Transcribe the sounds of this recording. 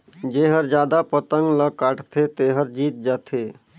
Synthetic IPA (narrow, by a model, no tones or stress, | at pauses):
d͡ʒeɦəɾd͡ʒjaːd̪apət̪əŋɡləkaʈt̪ʰet̪eːɦəɾd͡ʒiːt̪̚d͡ʒat̪ʰe